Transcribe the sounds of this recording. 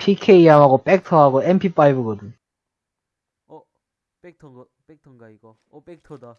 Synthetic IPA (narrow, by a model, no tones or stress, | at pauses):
pʰikʰeijamɦaɡop͈ek̚tʰʌɦaɡoempʰip͈aibɯɡʌdɯn